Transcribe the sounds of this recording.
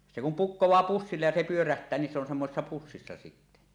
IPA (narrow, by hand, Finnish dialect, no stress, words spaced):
se kum pukːowˑɑː pusːilːej jɑ se pyøræhtˑæː ni se on semːosesːɑ pusːisːɑ sitːæ